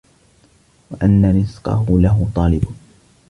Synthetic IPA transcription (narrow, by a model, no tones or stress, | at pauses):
waʔanːanɪsqɑ̰ɦʊlaɦʊt̪ˤɑːlɪb